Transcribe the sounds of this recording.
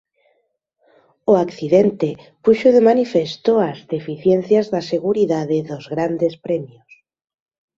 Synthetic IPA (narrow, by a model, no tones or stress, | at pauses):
oakθiðent̪e | puʃoðemanifest̪oazðefiθjen̟θjazðaseɣuɾiðaðeðozɣɾand̪espɾɛmjos